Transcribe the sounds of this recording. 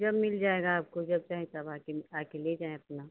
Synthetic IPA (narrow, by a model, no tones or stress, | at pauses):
d͡ʒɐbmɪld͡ʒaːeɡaːp̚kod͡ʒɐb̚t͡ʃaːɦẽt̪ɐbaːkeaːkeled͡ʒaːẽɐpna